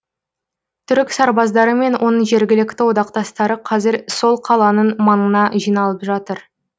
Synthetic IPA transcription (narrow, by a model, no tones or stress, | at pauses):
t̪ʰʏɾɪksɑɾbɑzd̪ɑɾəme̞nwʔo̞nəɴʒe̞ɾɡʲɪlɪk̚ʲt̪ɪwo̞d̪ɑqt̪ɑst̪ɑɾəqʰɑzɪɾso̞lˠqʰɑlˠɑnənmɑnənɑʒijnɑlˠəpʒɑt̪əɾ